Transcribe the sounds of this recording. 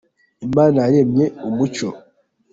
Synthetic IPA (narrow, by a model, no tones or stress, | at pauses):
imaːnajaɾe̞mɲe̞umut͡ʃo